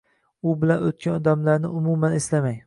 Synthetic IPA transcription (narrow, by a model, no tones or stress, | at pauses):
ʊbɪlanot̪̚kʲʰanɒd̪amlaɾnɪ̰ʔʊmumaneslamaj